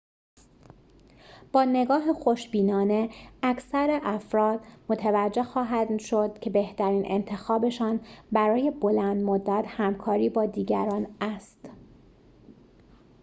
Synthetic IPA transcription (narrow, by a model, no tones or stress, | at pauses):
b̥ɒːne̞ɡɒːɦexo̞ʃbiːnɒːne̞ækʰsæɾeʔæfɾɒːd̪̥mo̞t̪ʰævæd͡ʒːe̞xɒːɦæd̪ʃo̞d̪̥cʰe̞be̞ht̪ʰæɾiːnʔḛnt̪ʰe̞xɒːbe̞ʃɒːnbæɾɒːje̞bo̞lænd̪mod̪ːæt̪hæmkʰɒːɾiːbɒːd̪iːɟæ̰ɾɒːnæst̪